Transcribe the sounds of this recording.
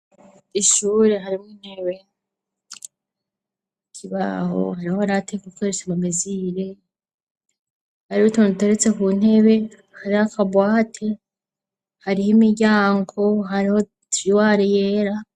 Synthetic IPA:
iʃuːɾe̞ɦaɾimŋiːn̥he̞βe̞ | kʰiβa̰ho̰haɾihoaɾatekukweɾesamameziɾe | haɾiutondute̞ɾet͡se̞kuːn̥e̞βe̞ | haɾihakabwaːtʰe̞ | haɾihimiɾɟaːŋɡo̞ɦaɾiho̞ | tɾiwaɾeje̞ːɾa

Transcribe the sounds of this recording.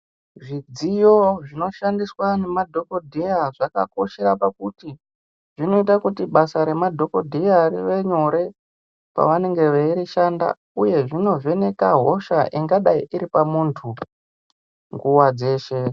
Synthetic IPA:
ʐid͡zijo̞ʐino̞ʃandiswane̞madʱo̞ko̞dʱejaʐaka̰ko̞ʃe̞ɾapakuti | ʐino̞itakutiɓasaɾe̞madʱo̞ko̞dʱejariʋe̞ɲo̞ɾe̞ | pa̰ʋane̞ŋɡe̞ʋeiɾiʃanda̰ | uje̞ʐino̞ve̞ne̞kaɦo̞ʃaʔiŋɡaɗaiʔiɾipamuːntʰu | ŋɡuwad͡ze̞ːʃe̞

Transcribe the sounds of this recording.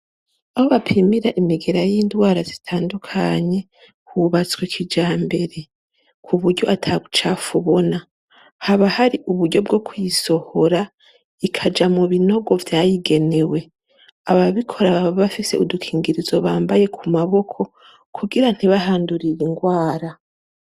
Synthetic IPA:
aβo̞βapʰimiɾaʔimiɡe̞ɾajiːndwaːɾazitʰaːndukʰa̰ɲe̞ | kuβat͡swekʰid͡ʒaːmbe̞ɾe̞ | kʰuβuɾɟo̞ʔatʰaɡut͡ʃafuβo̞na | haβahaɾiʔuβuɾɟo̞b̚ɡo̞kujiso̞ho̞ɾa | ikʰad͡ʒamuβino̞ɡo̞vjaːjiɡe̞ne̞we̞ | aβaβikʰo̞ɾaββaβafise̞̰udukʰiːŋɡiɾizo̞βaːmbaje̞kʰumaβo̞kʰo̞ | kʰuɡiɾan̥hiβaɦaːnduɾiɾiŋɡwaːɾa

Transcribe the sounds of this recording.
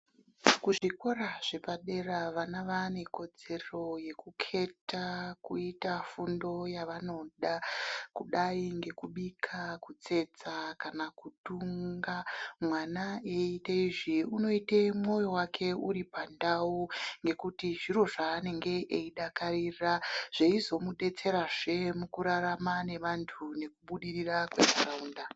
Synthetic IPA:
kuʐiko̞raʐ̥e̞paɗe̞raʋanaʋane̞ko̞d͡ze̞ro̞je̞kukʰe̞tʰakuitafundo̞jaʋano̞ɗakuɗaiŋɡe̞kuɓikʰakut͡se̞d͡zakanakutuŋɡamwanaeiteiʐiuno̞itemwo̞jo̞wakʰe̞uɾipandawuŋɡe̞kutiʐiɾo̞ʐaːne̞ŋɡe̞ʔeiɗakaɾiraʐ̥eizo̞muɗe̞t͡se̞ɾaʐe̞mukuɾaɾamane̞ʋantʰune̞kuɓuɗirirakwe̞̰karauːnda

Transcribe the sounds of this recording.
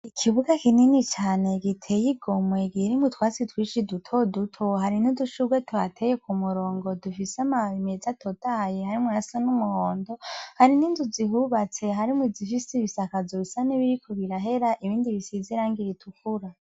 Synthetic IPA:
ikʰiβuɡakininit͡ʃaːne̞ɡitʰejiɡomwe̞ɡiɾimutwaːt͡sitwiːʃidutʰodutʰoɦaɾinuduʃuɡwetʰuhatʰejekumuɾo̞ːŋɡo̞dufiseamaimezatʰotʰajehaɾimunasanumuhoːndo̞haɾininduzihuβat͡se̞ɦaɾimwuzifisiβisakazoβisaniβiɾikʰoβiɾaɦe̞ɾaʔiβiːndiβisiziɾaːŋɡiɾitʰukuɾa

